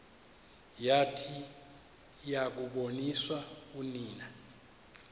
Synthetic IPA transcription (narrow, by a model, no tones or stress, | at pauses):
jatʰi | jak̬uɓoniswauniːna